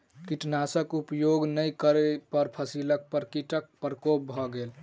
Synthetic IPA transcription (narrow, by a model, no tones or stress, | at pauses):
kiʈnasəkupjoɡnəjkəɾepəɾpʰəsilək̚pəɾkiʈək̚pɾəkop̚bʱɔɡel